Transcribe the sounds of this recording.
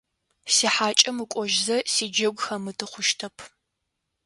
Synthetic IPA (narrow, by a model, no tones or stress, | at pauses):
siːħaːt͡ʃʼɐmɨkʷʼɔʒzɐsiːd͡ʒɐɡʷxɐmɨtʰɨχʷʊʃtʰɐpʰ